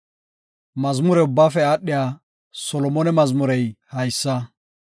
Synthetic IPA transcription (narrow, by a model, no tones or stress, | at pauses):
mɐzmʊɾɛʊbːaːfɛaːɗːɪjaː | sɔlɔmɔnɛmɐzmʊɾɛjhɐjsːɐ